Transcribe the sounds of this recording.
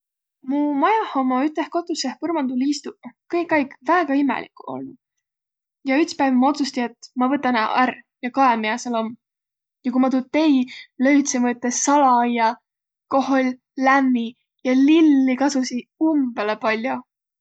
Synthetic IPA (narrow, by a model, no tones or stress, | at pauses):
mumɑjɑhomɑyt̪ˑlehko̞t̪ːˑusehpurmɑnd̪uliːst̪ukɤjkːˑɑjkvæːɡ̥ɑimḛlʔḭkːuo̰lnu | jɑyt̪spæjvmɑo̞t̪sust̪iet̪mɑvɤt̪ːˑɑnær | jɑkɑemiæselo̞m | jɑkumɑt̪ut̪ːˑe̞jlø̞jt̪semɤt̪ːˑesːɑlɑɑjːɑ | koholʲ | læmːi | jɑlilːikɑsusiumb̥elepɑlʲːjo